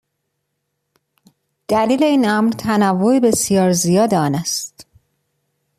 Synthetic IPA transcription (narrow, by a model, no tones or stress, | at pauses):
d̪̥æliːle̞iːnæmɾt̪ʰænævːoebe̞sijɒːɾzijɒːd̪eɒːnæst̪